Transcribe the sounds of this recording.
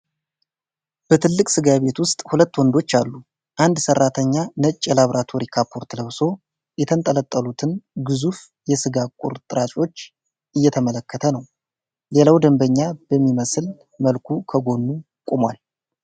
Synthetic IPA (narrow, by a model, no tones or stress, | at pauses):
b̥ət̪ʰɨlːɨkʼsɨɡaβe̞t̪wʊst̪ʼhulət̪ːwɔnd̪o̞t͡ʃːalːu | ʔand̪sərːat̪ʰəɲːanət͡ʃʼːɛlaβɾʔat̪ʰo̞ɾikʰapʰo̞ɾt̪ləβso̞ | jɛt̪ʰənt̪ʼələt̪ʼːəlut̪ʰɨnɡɨzuf | jɛsɨɡakʼṵɾt̪ʼɨɾat͡ʃʼo̞t͡ʃː | ʔɨjːɛt̪ʰəmələkʰːət̪ʰənəw | le̞lawd̪əmbəɲːabəmːiməsl | məlkʰukʰəɡo̞nːu | kʼumwal